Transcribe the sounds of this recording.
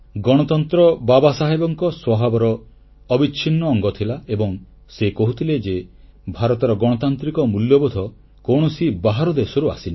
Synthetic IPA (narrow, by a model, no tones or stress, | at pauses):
ɡɔɽ̃ɔt̪ɔnt̪ɾɔbabasaɦebɔŋkɔswɔbʱabɔɾɔː | bit͡ʃʰinːɔːŋɡɔt̪ʰilaebɔŋ | sekɔɦut̪ʰiled͡ʒe | bʱaɾɔt̪ɔɾɔɡɔɽ̃ɔt̪ant̪ɾikɔmuljɔbɔd̪ʱɔ | koɽ̃ɔsibaɦaɾɔd̪esɔɾuasina